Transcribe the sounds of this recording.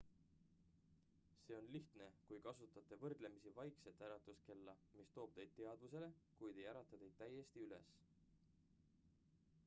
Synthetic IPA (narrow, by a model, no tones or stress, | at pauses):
se̞ːo̞nliht̪ne̞kujkɑsut̪ːˑɑt̪ːˑe̞vɤrd̪̥le̞misivɑjkse̞t̪ːˑæɾɑt̪ːˑuske̞lːɑmist̪o̞ːb̥̚t̪e̞jd̪̥̚t̪e̞ɑd̪̥vuse̞le̞kujd̪e̞jæɾɑt̪ːˑɑt̪e̞jd̪̥t̪ːæje̞st̪iyle̞̰s